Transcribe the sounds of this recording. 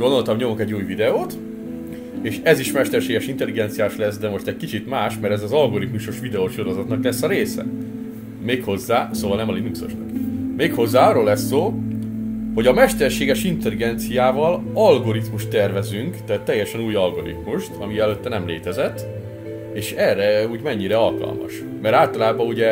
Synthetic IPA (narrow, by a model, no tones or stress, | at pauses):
ɡond̪o̞lt̪ɒmɲo̞muŋkɛɟːuːjvid̪ɛoːt̪ | eːʃɛziʃmɛʃt̪ɛrʃeːɡɛʃint̪ɛliɡɛnt̪sijaːʃlɛsd̪ɛmo̞ʃt̪ɛc̚kit͡ʃit̪maːʃmɛɾɛzɒzɒlɡo̞ɾit̪muʃoʃʋid̪ɛoʃoɾozɒt̪nɒklɛsːɒɾeːsɛ̰ | meːkho̞zːaːsoːvɒlnɛmɒlinukso̞̰ʃnɒkmeːkho̞zːaːɒroːlːɛsːoː | ho̞ɟɒmɛʃt̪ɛrʃeːɡɛʃint̪ɛliɡɛnt̪sijaːvɒlɒlɡo̞ɾit̪muʃt̪ːɛrvɛzyŋkt̪ɛːt̪ːɛjːɛʃɛnuːjɒlɡo̞ɾḭt̪muʃt̪ʰɒmiɛløt̪ːɛnɛmleːt̪ɛzɛt̪ː | eːʃɛrːɛuːɟmɛɲːiɾɛɒlkɒ̰lmɒ̰ʃ | mɛɾaːlt̪ɒlaːbɒuɟɛ